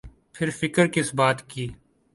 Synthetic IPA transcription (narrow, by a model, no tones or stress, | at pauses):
pʰɪɾfɪkəɾkɪsbaːt̪kiː